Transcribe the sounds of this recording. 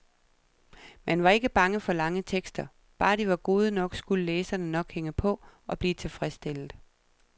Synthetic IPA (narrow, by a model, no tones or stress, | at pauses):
menʋɑ̈e̝ɡ̥əb̥ɑ̈ŋəfɒ̽lɑ̈ŋət͡sʰeɡ̥sd̥ɐ | b̥ɑ̈ːd̥iʋɑ̈ɡ̥o̝ːð̞ˠənɒ̽ɡ̥sɡ̥uləleːsɐnənɒ̽ɡ̥heŋəpʰɒ̽ɒ̽b̥liːt͡sʰe̝fʁɛsd̥el̰ð̩ˠ